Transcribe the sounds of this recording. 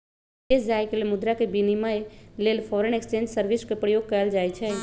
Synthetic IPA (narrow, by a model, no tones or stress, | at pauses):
esd͡ʒaekelemʊd̪ɾakebinimaelelpʰɔɾənekst͡ʃẽnd͡ʒsəɾbiskepɾəjoɡ̚kəjld͡ʒat͡ʃʰɛ